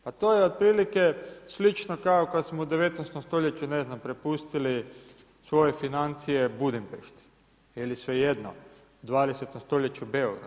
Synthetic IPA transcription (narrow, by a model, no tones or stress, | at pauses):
pat̪ojeod̪̚pɾiːlike̞slit͡ʃnokaokad̪smoud̪eʋe̞t̪nest̪omst̪o̞ʎet͡ɕune̞znampɾepust̪ili | sʋo̞je̞finant̪sijebud̪impeʃt̪i̥ | jelisʋejed̪no̰ | d̪ʋaːd̪eset̪omst̪o̞ʎet͡ɕubeoɡɾa̰